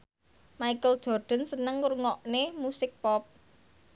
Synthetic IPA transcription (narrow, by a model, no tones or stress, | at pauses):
maikəld̥ʒ̥ɔ̤rɖ̪̥ə̤nsənəŋurŋɔʔnemusɪk̚pɔp̚